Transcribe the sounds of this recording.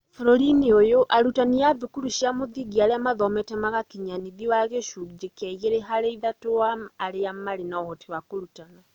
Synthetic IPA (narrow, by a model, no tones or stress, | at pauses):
fɾɔɾiniojoʔaɾutaniaβikuɾuʃiamoðiɡiaɾeamaðɔmɛtɛmaɣakiɲaniðiwaɣeʃuɣd͡ʒekɛɣeɾeɦaɾeiðatoaːɾeamaɾenaɔɣɔtiwakoɾutana